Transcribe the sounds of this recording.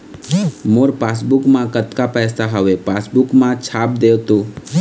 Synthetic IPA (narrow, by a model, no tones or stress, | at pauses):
moːɾpaːsbʊkmãkət̪kapɛːsaɦəʋepaːsbʊkmãt͡ʃʰaːp̚d̪eːt̪ũ